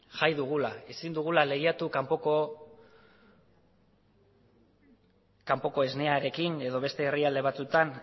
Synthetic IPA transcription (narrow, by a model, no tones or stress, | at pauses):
ʝajðuɣ̞ulae̞sind̪uɣ̞ulale̞ɣiat̪ukampoko | kampo̞ko̞e̞zne̞aɾe̞kine̞ðo̞βe̞st̪e̞ːriald̪e̞β̞at͡sut̪an